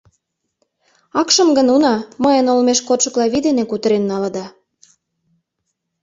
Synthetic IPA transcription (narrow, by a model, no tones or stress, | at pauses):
ɑkʃə̆mɡənunɑməjənolmeʃkot̪ʃə̆klɑβid̪enekut̪əɾenːɑlɤ̆d̪ɑ